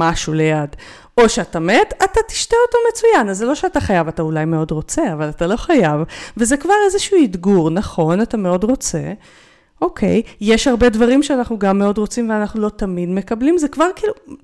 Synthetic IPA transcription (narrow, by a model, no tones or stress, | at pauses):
maʃule̞jad | o̞ʃeatame̞tatati̥ʃteoto̞me̞t͡sujanazːelo̞ʃeataχajavataulajmeo̞dʁo̞t͡se̞avalatalo̞χajavve̞zekvaʁe̞zeʃuuidɡuʁnaχo̞natame̞o̞dʁo̞t͡se̞̰ | o̞kʰe̞̰jːe̞ʃhaʁbe̞dvaʁimʃeanaχnuɡamːeo̞dʁo̞t͡simveanaχnulo̞tamidmekablimzekvaʁkiːlu